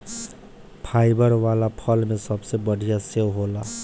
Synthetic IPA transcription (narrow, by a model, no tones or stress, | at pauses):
pʰajbʌɾwalapʰʌlmesʌbsebʌɽʱijasewɦola